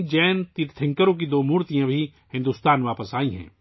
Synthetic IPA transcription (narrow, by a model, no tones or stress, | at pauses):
d͡ʒɛːnt̪it̪ʰɪ̃ŋkəɾõk̬id̪oːmuːɾt̪ijãbʱi | hɪ̃nd̪uːst̪aːnʋaːpəsaːĩɦɛ̰̃ː